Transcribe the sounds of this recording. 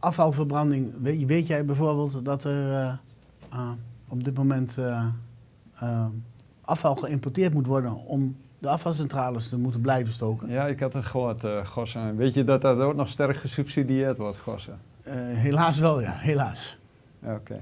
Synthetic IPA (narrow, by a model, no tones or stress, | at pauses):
ʔafɑlˠfərbrɑndɪŋʋʋeːtjɛjbɛjfoːrbeːlˠtdɔtər | ɔb̚dɪtmomɛnt | ʔafɑlˠxəɪmpɔrtɪːtmutʋɔɹdənɔm | dəafɑlˠs̬ɛntraːləstəmutənblɛjvənstoːkənjaɪkatətxoətxɔsəʋɪtjədɔt̚ɔtoətnɔxstɛrkχəsypsidiɪːrtʋɔtxɔ̰səɦelaːsʋɛlˠja̰ɦelaːs | okʰḛ